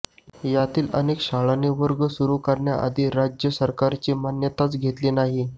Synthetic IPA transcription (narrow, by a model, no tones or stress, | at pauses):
jat̪iːlə̰nekɕaɭaneʋəɾɡəsuɾukəɾɳja̰ʔə̰d̪ʱiːɾad͡ʑjəsəɾkaɾt͡ɕimanjət̪at͡sɡʱet̪liːnaɦi